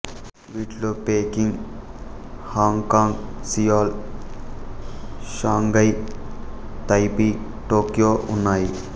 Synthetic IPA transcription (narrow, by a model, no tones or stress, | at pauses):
ʋiʈlupeːkiŋɡ | haːŋkaːŋɡsijaːl | ʃaːŋɡɐj | t̪ɐjpi | ʈoːkijoːʔunːaːji